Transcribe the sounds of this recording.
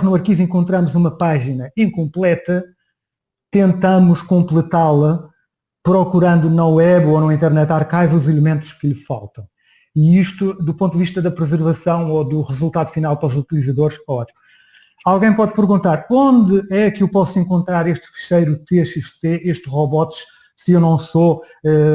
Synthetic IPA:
nuɐɾkivẽkõnt̪ɾɐmuzumɐpaʒinɐĩŋkõmplˠɛt̪ɐ | t̪ẽnt̪ɐmuʃkõmplˠɨt̪alˠɐ | pɾɔkuɾɐ̃nd̪unɐwɛβonɐ̃wĩnt̪ɛɾnɛt̪aɾkajvuzilˠmẽnt̪u̥ʃkɨʎɨfa̰lˠt̪ɐ̃w̃ | iiʃt̪ud̪upõnd̪viʃt̪ɐðɐpɾɨzɨɾvɐsɐ̃w̃oðuʁɨzulˠt̪aðufinalˠpɐɾɔzut̪ilˠizɐðoɾʃɛɔt̪i̥m | alˠɣɐ̃j̃pɔðpɨɾɣũnt̪aɾõnd̪ɨɛkewpɔsuẽŋkõnt̪ɾaɾeʃt̪fɨ̥ʃɐjɾut̪eʃeʃt̪eeʃt̪ʁɔβɔt̪ʃ | sɨewnɐ̃w̃so | ɛ

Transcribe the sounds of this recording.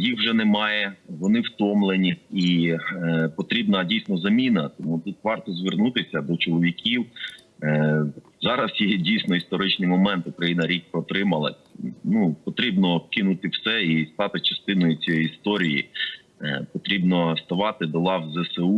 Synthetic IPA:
jixwʒɛnɛmɑjɛʋɔnɪwt̪ɔmlˠenʲii | pɔt̪ɾʲibnɐdʲijsʲnɔzɐmʲinɐt̪ɔmut̪ut̪ʋɑrt̪ɔzʋernut̪ɪsʲɐd̪ɔt͡ʃɔlˠɔʋʲikʲiw | zɑɾɐsjɛdʲijsʲnɔist̪ɔɾɪt͡ʃnɪjmɔmɛnt̪ʊkɾɐjinɐɾʲik̚pɾɔt̪ɾɪmɐlˠɐ̰ | nupɔt̪ɾʲibnɔwkɪnut̪ɪwsɛist̪ɑt̪ɪt͡ʃɐst̪ɪnɔjʊt͡sʲjist̪ɔɾʲijḭ | pɔt̪ɾʲibnɔst̪ɐʋɑt̪ɪd̪ɔlˠɑwzɛseu

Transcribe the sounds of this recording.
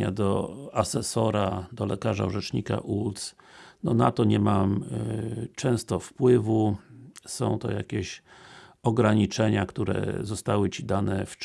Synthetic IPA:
a̰d̪ɔ̰asɛsɔɾad̪ɔlɛkaʐa̰uʐɛt͡ʂɲika̰ʔut̪snɔnat̪ɔɲɛmam | t͡ʂɛ̃w̃st̪ɔfpwɘvu | sɔ̃w̃t̪ɔjakʲeɕ | ɔɡɾaɲit͡ʂɛɲakt̪uɾɛ̰zɔst̪awɘt͡ɕid̪anɛf

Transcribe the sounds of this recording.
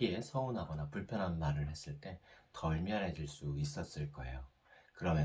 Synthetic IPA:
ie̞sʰʌunɦaɡʌnapuɭpʰjʌnɦanmaɾɯɭhe̞s͈ɯɭt͈e̞tʌiɭmjʌɾɦed͡ʑiɭs͈uis͈ʌs͈ɯɭk͈ʌe̞jo | kɯɾʌmjʌ

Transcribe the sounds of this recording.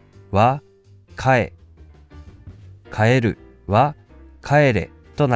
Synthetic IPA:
βa | kʰaḛ | kʰae̞ɾɯ̟ | βa | kʰae̞ɾe̞̰ | t̪o̞na

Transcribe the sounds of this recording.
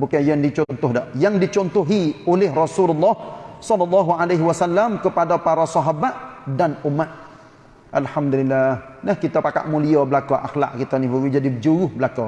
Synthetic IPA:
bukajandit͡ʃɔnt̪ɔhdɔʔjaŋdit͡ʃɔnt̪ɔɦiolɛɦrɔsululːɑhsɔlːɑlːɑɦuʔalajɦiwasalːamkəpadapaɾasɔɦabat̪danumat̪̚ | ʔalhamd̪ulilːahnahkit̪apaka̰ʔmuliabəlakɔʔa̰xla̰ʔkit̪anibuwid͡ʒadid͡ʒuwʊhbəlakɔ

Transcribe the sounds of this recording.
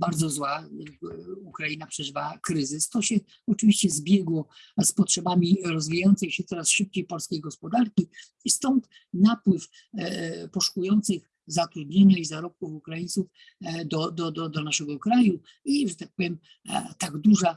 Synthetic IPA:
baɾd̪zɔzwaakukɾainapʂɛʐvakɾɘzɘst̪ɔɕɛ | ɔt͡ʂɘvʲiɕt͡ɕɛzbʲjɛɡwɔspɔtʂɛbamʲiɾɔzvʲijajɔntsɛmʲiɕɛt̪sɔɾasʂɘp̚t͡ɕejpɔlskʲejɡɔspɔd̪aɾkʲi | ist̪ɔnt̪ | napwɘf | pɔʂu̥kujɔnt̪sɘx | zat̪ɾud̪ɲeɲaizaɾɔp̚kufukɾajint̪suf | d̪ɔd̪ɔd̪ɔd̪ɔnaʂɛɡɔkɾaju | iʐɛt̪ak̚pɔvʲjɛm̰ | t̪aɡd̪uʐa

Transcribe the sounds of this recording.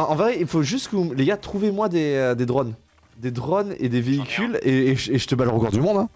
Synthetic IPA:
ɑ̃ɑ̃veʁɛilfoʒyst̪kəvuleɡat̪χuvemwad̪eød̪ed̪ʁɔn | d̪ed̪ʁɔnḛd̪eveikʲʰyleeʒəeʒət̪əbalʁəɡɔʁd̪ymɔ̃d̪ɛ̃

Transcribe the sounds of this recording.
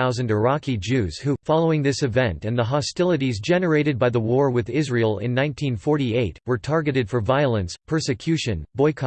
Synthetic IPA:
aʊzɨ̃ndə˞ɑkʰid͡ʒʉz̥hufɑlˠoʊɪ̃ŋðɪsɨvɛ̃ntɨ̃nðəɦɑstɪlˠəɾizd͡ʒɛnə˞eɪɾɨd̚baɪðəwɔɹwɪðɪzɹilˠɪ̰̃nːãɪ̃ntʰĩnfɔɹɾieɪt̚wə˞tʰɑɹɡɨɾɨd̥fə˞vaɪl̩ˠə̃nspʰɜ˞sɨkʰj̥ʉʃɨ̃nbɔɪkʰ

